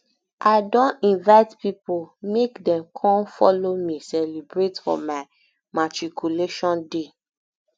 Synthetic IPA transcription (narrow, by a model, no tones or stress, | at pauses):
ʔaɪdõntĩnvaɪtpipomekdɛ̃mkʰɔ̃nfɔlomĩsɛlibɹetfɔ̰̃maɪ | matɹikʰuleʃɔ̃nde